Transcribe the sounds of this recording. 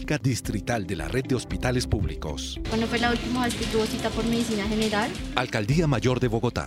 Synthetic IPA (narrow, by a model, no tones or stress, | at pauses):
kad̪ist̪ɾit̪ald̪e̞la̰rʔed̪̚ːeo̞spit̪ale̞spuβliko̞̰sbwenopwezlault̪imaest̪et̪ɾuosit̪apoɾmeðisinaxeneɾalalkald̪iamaʝo̞ɾðe̞βo̞ɣo̞t̪a̰